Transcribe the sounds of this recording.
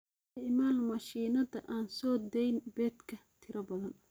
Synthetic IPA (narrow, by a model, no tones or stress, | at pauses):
ʔmaːlmɐʃiːnɐðɐʔaːnsɔːd̪ɛjnbɛːd̪kʰɐt̪ʰɪɾɐbɐðɐn